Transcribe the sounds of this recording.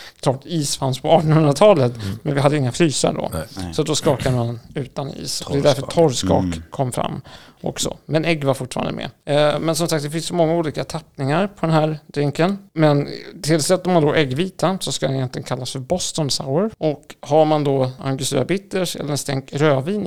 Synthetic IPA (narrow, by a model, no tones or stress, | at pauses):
kʰlɑːʈiːsfanspʰɔɑːʈɔnhɵnɾat̪ʰɑːlət̪mɛnvɪɦad̪ːəɪŋːaflyːsa̰ɖɔ̰sɔt̪d̪ɔskɑːkad̪əmanʉ̟ːt̪anḭːsɔd̪ɛd̪æɾfœtʰɔɾskɑ̰ːkʰːɔmːfɾa̰mː | ʔɔ̰ksɔ̰mɛnɛɡːvaɾfʊʈfɑ̰ːɾa̰d̪ə̰mɛ̰mɛnsɔmsak̚t̪d̪ɛfɪnssɔmɔŋːauːliːkat̪ʰapːnɪŋaɾpʰɔd̪ɛnɦæːɾɖ̪̥ɾɪŋkənmɛnt̪ʰɪlsɛt̪ːɔmand̪ɔʔɛɡviːt̪ʰansɔskad̪ɛnjɛnt̪lɪɡənkʰalːasfœɾbɔst̪ɔnsa̰wəɾʔɔkhaɾmand̪ɔʔa̰ŋɡʏseːɾabɪt̪ːəʂɛ̰lːəɾɛnst̪ɛŋkɾøːviːn